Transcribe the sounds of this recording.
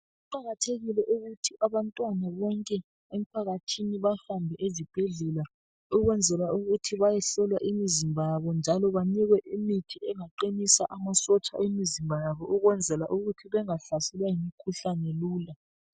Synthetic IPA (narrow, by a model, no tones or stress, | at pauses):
uǃaɣatʰeɣilɛʔuɣutʰiʔaβantʼwanaβɔŋkʼɛ | em̩pʰaɣatʰiniβahambʱɛʔezib̥ʱeɮɛla | uɣwɛnd͡zʱɛlwauɣutʰiβajɛɬɔlwaʔimizimbʱaβɔnd͡ʒʱalɔβaniɣwɛʔimitʰiɛŋaǃinisaʔamasɔt͡ʃʼa̰ʔemizimbʱajaβɔʔuɣwɛnd͡zʱɛlaʔuɣutʰiβɛŋaɬasɛlwajimikʰuɬanɛluːla